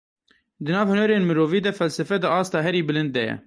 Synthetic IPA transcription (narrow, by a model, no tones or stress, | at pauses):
d̪ɨnɑːvhʊnɛɾeːnmɨɾoːviːd̪ɛfɛlsɛfɛd̪ɨʔɑːst̪ɑːɦɛɾiːbɨlɨnd̪̚d̪ɛjɛ̰